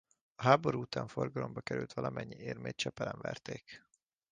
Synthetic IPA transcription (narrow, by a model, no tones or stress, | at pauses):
ɒɦaːbo̞ɾuut̪aːɱfo̞rɡɒlo̞mbɒkɛɾylt̪ʋɒlɒmʔɛɲːieːrmeːt̪̚t͡ʃɛpɛlɛɱvɛrt̪eːk